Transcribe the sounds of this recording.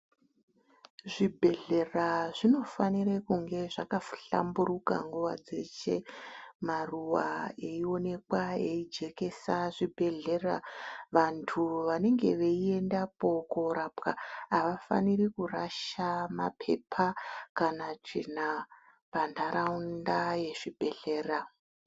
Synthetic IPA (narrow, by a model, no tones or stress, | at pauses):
ʐibʱe̞ɮe̞raʐino̞fanirekuŋɡe̞ʐakafɬa̰mburuka̰ŋɡuʋa̰d͡ze̞̰t͡ʃe̞maruwa̰e̞io̞ne̞kwae̞id͡ʒe̞ke̞saʐibʱe̞ɮe̞ra̰ʋantʰuʋane̞ŋɡe̞ʋe̞ie̞ndapo̞koɾapkaaʋafa̰nirikuraʃamapʰe̞̰pʰakanat͡ʂḭna | pandaɾaundaje̞ʐibʱe̞ɮe̞ːra